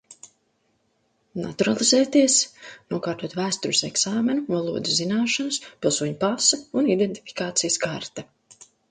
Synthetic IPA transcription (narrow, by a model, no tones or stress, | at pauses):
na̰t̪uɾalˠizɛːt̪iɛsnuɔkaːɾt̪uɔt̪væːst̪uɾɪsɛksaːmenuvalˠuɔd̪ɪzzinaːʃanspʲilˠsuɔɲupasɐunid̪ent̪i̥fi̥kaːt̪sijskaɾt̪ɐ